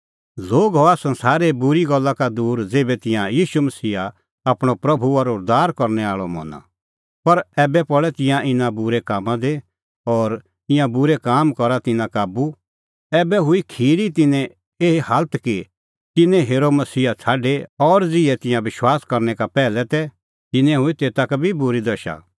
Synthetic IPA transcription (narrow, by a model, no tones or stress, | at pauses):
loːɡɦɔasɐ̃nsaːɾebʊɾiɡɔlːakad̪uːɾd͡zeːbɛt̪ɪ̃jãjiːʃumɐsiːa | apɽ̃opɾɐbʱuɔɾoɾd̪aːɾkɐɾnɛaːɭɔmɔ̰ːnã̰ | pɐɾɛːbɛpɔɭɛt̪ɪ̃jãʔɪnãbʊɾekaːmãd̪e | ɔːɾ | ɪ̃jãbʊɾekaːmkɔɾat̪ɪnãkaːbu | ɛːbɛɦʊikʰiːɾit̪ɪnɛ̃ | eːɦehalt̪ki | t̪ɪnɛ̃ɦeːɾomɐsiːat͡sʰaːɖeɔːɾd͡zɪɛt̪ɪ̃jãʋɪʃwaːskɐɾnɛkapɛːlɛt̪ɛ | t̪ɪnɛ̃ɦʊit̪eːt̪akbʱibʊɾid̪ɐʃa̰